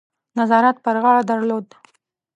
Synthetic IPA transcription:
nazɑɾat̪̚pəɾɣɑɭad̪aɾlod̪

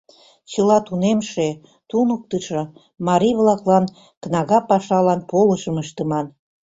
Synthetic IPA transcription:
t͡ɕəlɑt̪unemʃe | t̪unək̚t̪əʃɤ | mɑɾijβlɑklɑn | knɑɣɑpɑʃɑlɑnpoləʃəməʃt̪əmɑn

